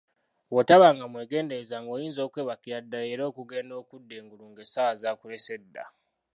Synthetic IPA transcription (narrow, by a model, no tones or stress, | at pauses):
wotaβaŋɡamwe̞ːɡe̞ːndeɾezaŋɡo̞ːjiːnzo̞ːkwe̞ːβakiɾadːaleːɾo̞ːkuɡe̞ːndo̞ːkudːe̞ːŋɡuluŋɡesaazaːkuɾese̞dːa̰